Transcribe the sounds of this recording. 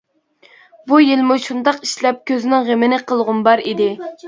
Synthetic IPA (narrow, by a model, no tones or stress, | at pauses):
bujilmuʃund̪ɑqiʃlɛp̚kʲʰøzɪnɪŋʁemɪnɪqʰəlˠʁʊnbɑɾid̪ɪ